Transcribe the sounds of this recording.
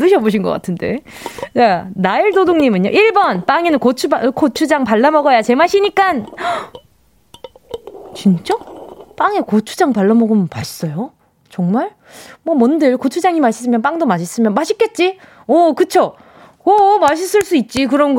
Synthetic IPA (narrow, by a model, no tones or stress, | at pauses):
ɯɕʰʌboɕ̬ʰinɡʌk͈a̰tʰɯnde̞̰ | t͡ɕanaiɭdodoŋɲimɯɲjo̰ʔiɭbʌnp͈aŋenɯnkot͡ɕʰubkʰot͡ɕʰud͡ʑaŋpaɭːamʌɡʌjat͡ɕe̞maɕʰiɲik͈an | t͡ɕint͡ɕ͈ʌp͈aŋekot͡ɕʰu̥d͡ʑaŋpaɭːamʌɡomnpaɕʰi̥s͈ʌjo | t͡ɕʌŋmaɭ | mwʌmʌndɯɭkot͡ɕʰud͡ʑaŋimaɕʰi̥s͈ɯmjʌnp̬͈aŋdomaɕʰis͈ɯmjʌnmaɕʰik͈e̞t̚t͡ɕ͈i | ʌkɯt͡ɕʰo | ʌmaɕ̬ʰis͈ɯɭs͈uit̚t͡ɕ͈ikɯɾʌnɡ